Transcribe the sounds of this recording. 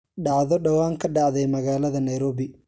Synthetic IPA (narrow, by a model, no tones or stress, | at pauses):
ɖɑʕðɔɖɐwaːŋkʰɐɖɑʕðɛjmɐɣaːlɐðɐnɐjɾɔːβɪ